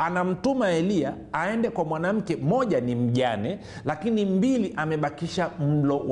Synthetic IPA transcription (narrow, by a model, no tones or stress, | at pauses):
anam̩tumaɛliaːɛndɛkwamwanam̩kɛmɔʄanim̩ʄanɛ | lakinimbiliʔamɛɓakiʃam̩lɔw